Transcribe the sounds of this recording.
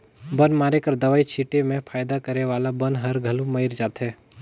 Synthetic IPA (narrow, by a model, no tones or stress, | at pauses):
bɐ̃nmaːɾekɐɾd̪ɐʋaːit͡ʃʰiːʈemẽfʰaːjd̪akɐɾeʋaːlabɐ̃nɦɐɾɡʱɐlũmɐɪɾd͡ʒaːt̪ɦɛː